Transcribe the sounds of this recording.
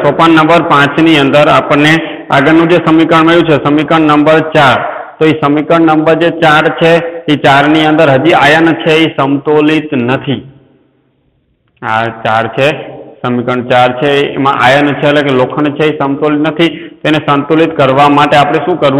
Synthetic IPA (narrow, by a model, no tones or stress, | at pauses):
sopanːəmbəɾpãt͡ʃniənd̪əɾapəɳne | aɡəɾnũd͡ʒesəmikəɳməjũt͡ʃʰesəmikəɳnəmbəɾt͡ʃaɾt̪oisəmikəɳnəmbəɾd͡ʒet͡ʃaɾt͡ʃʰeit͡ʃaɾniə̃nd̪əɾɦəd͡ʒiajənt͡ʃʰeisəmt̪olit̪nət̪ʰi | at͡ʃaɾt͡ʃʰesəmikəɳt͡ʃaɾt͡ʃʰḛmã̰ʔajənt͡ʃʰeːlekelokʰəɳt͡ʃʰeisəmt̪olit̪nət̪ʰit̪enesənt̪olit̪kəɾʋamaʈeapɽ̃eʃũkəɾ